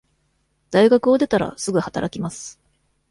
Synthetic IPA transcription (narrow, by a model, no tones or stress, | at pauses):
d̪̥aiɡakɯo̞d̪e̞t̪aɾa̰sɨɡɯ̟hat̪aɾakʲimasɨ̥